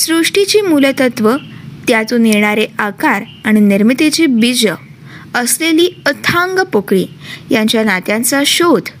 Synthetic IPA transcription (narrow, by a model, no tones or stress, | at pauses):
sɾuʂʈit͡ɕiːmulət̪ət̪ʋət̪jat̪uneɳ̃aɾeakaɾ | aɽ̃iniɾmit̪et͡ɕibid͡zə | əsleliːət̪ʰãŋɡəpokɭiːjãɲt͡ɕjanat̪jãnt͡saɕod̪